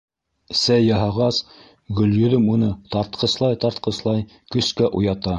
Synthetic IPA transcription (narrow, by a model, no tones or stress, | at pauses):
sæjːɑɦɑʁɑs | ɡɵ̆ljɵ̆ðɵmunɤt̪ɑɾt̪qʰɤ̆slˠɑjt̪ɑɾt̪̚qɤ̆slˠɑj | kɵ̆skæʔujɑt̪ɑ